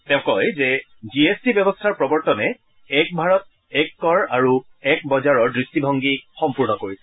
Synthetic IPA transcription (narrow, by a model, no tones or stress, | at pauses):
tɛʊ̃kɔjzɛ | ziestibɛbɔstʰaɹpɹɔbɔɹtɔnɛ | ɛk̚bʱaɹɔt̚ | ɛkːɔɹaɹu | ɛk̚bɔzaɹɔɹdɹistibʱɔŋɡixɔmpuɹnɔkoɹisɛ